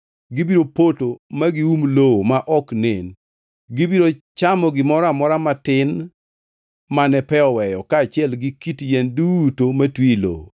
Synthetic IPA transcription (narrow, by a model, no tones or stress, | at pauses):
ɡibiɾopotomaɡɪumlowomaʔɔknen | ɡibiɾot͡ʃamɔɡɪmɔɾamɔɾamatɪn | manɛpɛɔwɛjɔkaːt͡ʃɪɛlɡɪkitjɛndutomatwilo̰wo̰